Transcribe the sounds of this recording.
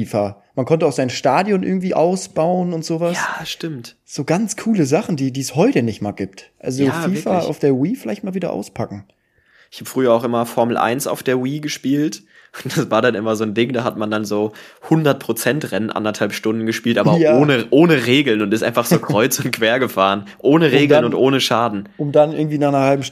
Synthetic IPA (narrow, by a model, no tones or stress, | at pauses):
iːfa | mankʰɔntəaʊz̥aɪnʃtaːdjɔnʔɪ̰ɐɡŋ̩tv̥iːʔaʊsb̥aʊənʊntz̥oːvasːʃtɪmtz̥oːɡant͡skʰuːləzaχn̩diːdiːshɔʏtənɪçtmaːɡiːptʔa̰lzofiːfaa̰ʊfd̥eːɐwiːfɪlaɪçt̚maːlviːdɾɐ̰ʔa̰ʊspʰakŋ̩ | ʔɪçhaːbəfʁ̥yːɐaʊxʔɪmɐfɔɐml̩ʔa̰ɪnsa̰ʊfd̥eːɐwiːɡəʃpiːlt | ʊd̥asv̥aːɐdanʔɪmɐzoːndɪŋdaːɦatmandanzoːhʊndɐt̚pʰʁ̥ot͡sɛntʁɛnənʔa̰ndɐthalpʃtʊndn̩ɡəʃpiːltʔaːbɐoːnəʔoːnəʁeːɡl̩nʊntɪstʔa̰ɪnfaχz̥oːkʁ̥ɔʏt͡sʊnt̚kv̥eːɐɡəfaːʁənʔoːnəʁeːɡl̩nʊntʔoːnəʃaːdn̩ʊmdanʔɪɐɡŋ̩tv̥iːnaːχnɐhalbm̩ʃ